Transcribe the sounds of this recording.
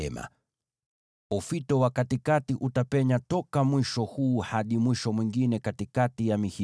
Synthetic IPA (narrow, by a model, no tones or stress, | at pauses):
ɛma̰ | ɔfitɔwakatikatiʔutapɛɲatɔkamwiʃɔhuːhaɗimwiʃɔmwiŋɡinɛkatikatijamihi